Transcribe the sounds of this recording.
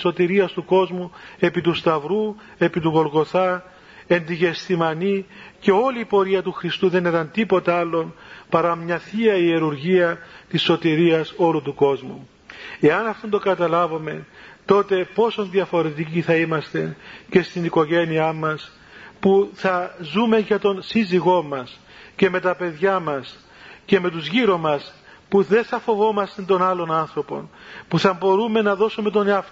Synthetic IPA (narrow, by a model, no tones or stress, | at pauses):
ot̪iɾiɐst̪uko̞zmue̞pit̪ust̪ɐvɾu | e̞pit̪uɣo̞lɣo̞θɐ | e̞nd̪iʝe̞st̪imɐnice̞o̞liːpo̞ɾiɐt̪uxɾist̪uðe̞neðɐnt̪ipo̞t̪ɐɐlːo̞npɐɾɐmɲɐθiɐieɾuɾʝiɐt̪isːo̞t̪iɾiɐso̞lut̪uko̞zmu | e̞ɐnɐft̪ond̪oɡɐt̪ɐlɐvome̞t̪o̞t̪e̞po̞so̞nðiɐfo̞ɾe̞t̪̬iciθɐimɐst̪e̞ce̞st̪iniko̞ʝe̞niɐmːɐs | puθɐzume̞ʝɐt̪o̞nsiziɣo̞mːɐs | ce̞me̞t̪ɐpe̞ðʝɐmɐs | ce̞me̞t̪uzʝiɾomɐspuðe̞nθɐfo̞vo̞mɐst̪ent̪o̞nɐlo̞nɐnθɾo̞po̞̰npuθɐmbo̞ɾume̞nɐðo̞sume̞t̪̬o̞neɐf